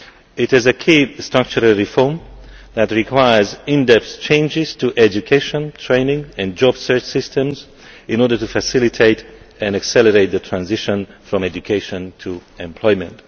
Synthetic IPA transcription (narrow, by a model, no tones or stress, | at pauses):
ɪtɪzəkʰistɹ̥ʌk̚t͡ʃuɾəlˠɹifɔɹm | ðætɹikʰwaɪə˞zɪ̃ndɛpst͡ʃʰẽɪ̃nd͡ʒɪz̥tʰuʔɛd͡ʒukʰeɪʃɔ̃ntʰɹẽɪ̃nɪ̃ŋɛ̃nd͡ʒɔbsɜ˞t͡ʃsɪstə̃mz | ɪ̃nɔɹdə˞tufæsɪlitʰeɪt | ɛ̃ndaksɛləɹeɪt̪̚ðətʰɹãnzɪʃə̃nfɹɔ̃mɛd͡ʒukʰeɪʃɔ̃ntʰuɛ̃mpʰl̥ɔɪmɛ̰̃nt